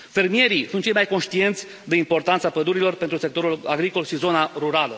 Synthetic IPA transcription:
fe̞rmije̞ɾisunt̪̚t͡ʃejmajko̞nʃt̪ie̞nt̪sʲ | d̪e̞impo̞rt̪ant̪sapəd̪uɾilo̞rpe̞nt̪ɾuse̞k̚t̪o̞ɾulaɡɾiko̞lʃizo̞naɾuɾalə

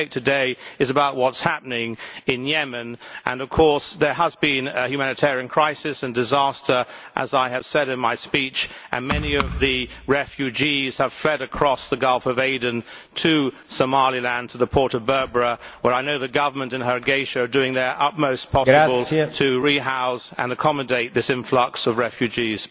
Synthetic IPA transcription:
ɪtʰɨdeɪɨzɨbaʊʔ̚wʌtshæpənɪ̃ŋɨ̃njɛmɨ̃nʔɨ̰̃nʌv̥kʰɔɹsðə˞əzbĩnɨhjʉmænɨtʰɛɹiɨ̃nkʰɹ̥aɪsɨsɨ̃ndɨzæstʰə˞ʔəzaɪɨv̥sɛɾɨ̃nmaɪspit͡ʃʔɨ̰̃nmɛniʌvðɨɹɛfjʉd͡ʒiz̥əv̥flɛɾɨkʰɹ̥ɔsðəɡʌlˠfʌveɪdⁿn̩tʰɨ | səmɑlˠilæ̃ntʰəðəpʰɔɹɾʌvbɜ˞bɹəwə˞aɪnoʊðɨɡʌvə˞mə̃ntɨ̃nəɹɨɡeɪʃɨdʉɪ̃ŋðə˞ʔʌt̚moʊspʰɑsbəlˠtʰɨɹiɦaʊsɨ̰̃nɨkʰɑmɨdeɪt̪̚ðɪsɪ̃ɱflʌksʌvɹɛfjʉd͡ʒiz̥

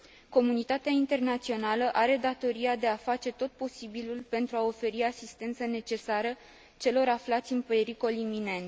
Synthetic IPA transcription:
ko̞munit̪at̪eaint̪e̞rnat̪sio̞naləʔaɾe̞d̪at̪o̞ɾiad̪e̞afat͡ʃe̞t̪o̞t̪̚po̞sibilulpe̞nt̪ɾuao̞fe̞ɾiasist̪e̞nt̪səne̞t͡ʃe̞saɾə | t͡ʃe̞lo̞ɾaflat̪sʲɨnpɾeɾiko̞limine̞nt̪

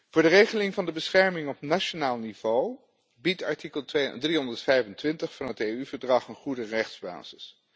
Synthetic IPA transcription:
v̥ʊːɹdərejχəlɪŋvɑndəbəsχɛɹmɪŋɔp̚naʃonaːlˠniv̥ow | bitɑ̰ɹtikəlˠedriɦɔndəɹtfɛjvəntʋɪntəχfɑnɦətejyvəɹdrɑχənχudərɛχdz̥ba̰ːz̥ɪs

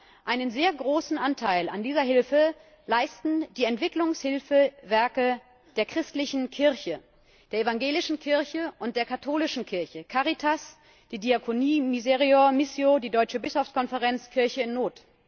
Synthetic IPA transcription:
ʔaɪnənzeːɐɡʁoːsn̩ʔantʰaɪla̰ndiːzɐɦɪlfə | laɪstn̩d̥iːɛntv̥ɪklʊŋshɪlfəvɛɐkə | d̥eːɐkʁ̥ɪstlɪçn̩kʰɪɐçə | d̥eːɐevaŋɡeːlɪʃn̩kʰɪɐçəʔʊnt̚d̥eːɐkʰatʰoːlɪʃn̩kʰɪɐçəkʰaʁitʰas | d̥iːdiakʰoniːmizeʁiomɪsjodiːdɔʏt͡ʃəbɪsɔft͡skʰɔnfəʁɛnt͡skʰɪɐçəɪnːoːt

